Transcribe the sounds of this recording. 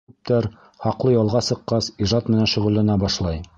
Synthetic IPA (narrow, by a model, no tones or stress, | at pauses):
p̚t̪æɾ | hɑqlˠɤjɑlˠʁɑsɤ̆qːɑsiʒɑt̪mɘ̆nænʃɵ̆ʁɵ̆lːænæbɑʃlˠɑj